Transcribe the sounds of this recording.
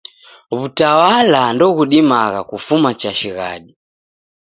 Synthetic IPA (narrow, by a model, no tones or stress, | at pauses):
βutawalandɔɣuɗimaɣakufumat͡ʃaʃiɣa̰ɗi